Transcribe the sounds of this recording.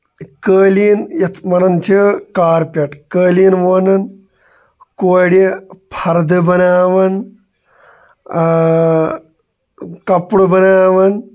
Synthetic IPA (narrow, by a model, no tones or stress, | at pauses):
kəːliːnjɐt̪ʰmɐnɐnt͡ʃʰikaːɾpʲɐʈkəːlinʋonɐn | koːɽipʰɐɾd̪ɨbɐnaːʋɐn | kɐpɽubɐnaːʋɐn